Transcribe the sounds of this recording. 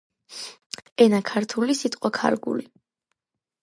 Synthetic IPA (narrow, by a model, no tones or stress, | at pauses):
ɛnakʰaɾt̪ʰulisit̪ʼqʼwakʰa̰ɾɡṵli